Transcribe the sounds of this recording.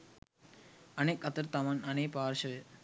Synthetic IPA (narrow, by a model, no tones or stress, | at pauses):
ɐnekɐt̪ɐɾt̪ɐmɐnɐneːpaːɾʃɐ